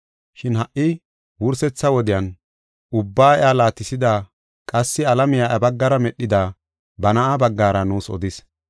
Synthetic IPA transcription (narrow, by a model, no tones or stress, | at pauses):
ʃɪnhɐʔɪ | wʊɾsɛt͡sːɐwɔd̪ɪjɐn | ʔʊbːaːɪjaːlaːt̪ːɪsɪd̪aː | kʼɐsːɪɐlɐmɪjaːʔɐbɐɡːɐɾɐmɛɗːɪd̪aː | bɐnɐʔabɐɡːaːɾɐnuːsɔ̰d̪ɪs